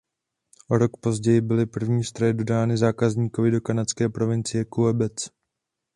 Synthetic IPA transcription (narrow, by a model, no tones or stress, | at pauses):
ʔo̞ɾo̞kpo̞zɟɛjɪbɪlɪpr̩vɲiːst̪ɾojɛdo̞daːnɪzaːkazɲiːkovɪdo̞kanat͡skɛːpɾo̞vɪnt͡sɪjɛkuɛbɛt͡s